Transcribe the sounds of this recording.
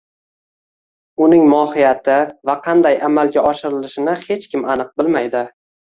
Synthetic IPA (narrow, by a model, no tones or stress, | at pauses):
ʊnɪŋmɒhɪjat̪ʰɪvaqʰɑnd̪ajʔamalˠɡʲaɒʃɪɾɪlɪʃɪnɪhe̞t͡ʃkʲɪmʔanɨq̚bɪlmajd̪ɪ